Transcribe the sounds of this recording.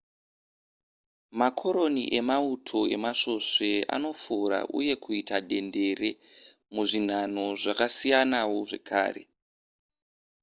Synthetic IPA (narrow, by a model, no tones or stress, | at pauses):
makʰo̞ɾo̞nḭʔe̞mautʰo̞e̞maʂo̞ʂe̞a̰no̞fuɾa̰ʔṵje̞kʰuitaɗe̞nde̞re̞ | muʐin̤an̤o̞ʐakasijanawo̞ʐe̞̰kʰa̰ːre̞̰